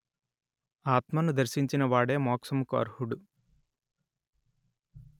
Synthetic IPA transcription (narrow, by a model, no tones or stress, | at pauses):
aːt̪mɐnud̪ɐɾʃiɲt͡ʃinɐʋaːɽe̞ːmɔːksɐmukuɐ̰ɾhuɽu